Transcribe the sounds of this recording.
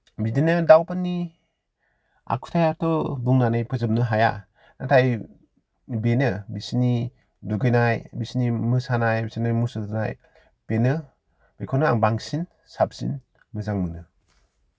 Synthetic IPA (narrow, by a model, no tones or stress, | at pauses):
bidenɯdawpanːi | a̰kʰu̥tʰajaɾtɔbuŋnanajpʰɯzɯmnɯɦaja̰ | natʰaj | benɯbisini | duɡɯjnajbisnimɯsanajbisinajmusɯna̰j | b̥enɯ | b̥ekʰɔnɯaŋbaŋsin | sap̚sḭn | mɯzaŋmɯnɯ